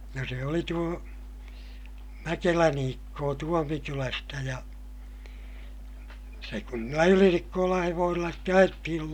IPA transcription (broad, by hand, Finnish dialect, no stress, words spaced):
jɑ se oli tuo mækelæn iːkːoː tuomikylæstæ jɑ se kun niːlːæ ylinikːoːlɑ̃ː heʋoːsilːɑ ste ɑjetːihil